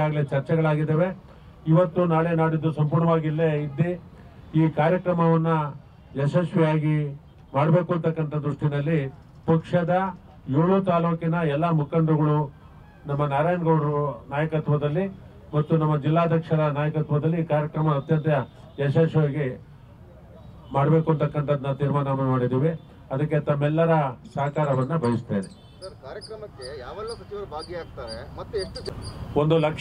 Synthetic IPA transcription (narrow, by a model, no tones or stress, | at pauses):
aːɡɐɭet͡ʃɐɾt͡ʃɛɡɐɭaːɡid̪ːeːʋe̞ | iʋɐt̪ːunaːɭe̞ːnaːɽid̪ːusɐmpuːɾɳɐʋaːɡilːeid̪ːi | iːkaːɾjɐkɾɐmɐʋɐnːu | jɐsɐʃʋijaːɡi | maːɽbe̞ːkuɐnt̪ɐkːɐnt̪ɐd̪ɾuʂʈinɐlːi | pɐkʂɐd̪ɐ | joːɭut̪aːloːkinɐɛlːɐmukɐnd̪ɾɐɡɐɭu | nɐmːɐnaːɾaːjnɡɐwɽɐɾunaːjɐkɐt̪ʋɐd̪ɐlːi | mɐt̪ːunɐmːɐd͡ʒilːaːd̪ʱjɐkʂɐɾɐnaːjɐkɐt̪ʋɐd̪ɐlːiːkaːɾjɐkɾɐmɐːt̪jɐnt̪jɐ | d͡ʒɐʃɐːʃʋaːɡe | maːɽbe̞ːkuɐnt̪ɐkːɐnt̪ʰɐd̪ɐnːɐt̪iːɾmaːnɐmɐmaːɽid̪iːʋe | ɐd̪ɐkːe̞t̪ɐmːɛlːɐɾɐsɐːkaːɾɐʋɐnːɐbʱɐjist̪eːne | sɐɾkaːɾjɐkɾɐmɐkːejaːʋɛlːɐsɐt͡ʃiʋɐɾɐbʱaːɡjeaːɡ̚t̪aːɾemɐt̪ːueʂʈuond̪ulɐkʂ